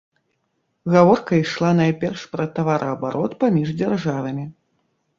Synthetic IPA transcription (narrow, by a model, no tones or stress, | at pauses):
ɣavɔrkɐiʂlˠanajpʲɛrʂpɾɐt̪avaɾʔɐɐbaɾʔɔt̪pamʲiʐd͡zʲarʐavɐmʲi